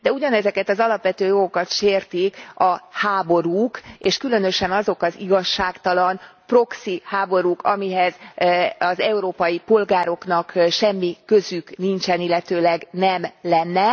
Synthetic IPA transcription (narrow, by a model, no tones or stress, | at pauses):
d̪ɛuɟɒnɛzɛkɛt̪ɒzɒlɒpʋɛt̪øːjo̞ɡo̞kɒt̪ʃeːrt̪ikɒhaːbo̞ɾuːkeːʃkylø̞nø̞ʃɛnɒzo̞kɒziɡɒʃːaːkt̪ɒlɒnpro̞ksihaːbo̞ɾuːkɒmiɦɛz | ɒzɛuɾoːpɒjipo̞lɡaːɾo̞knɒkʃɛmːikøzyknint͡ʃɛnilːɛt̪øːlɛɡnɛmlɛnːɛ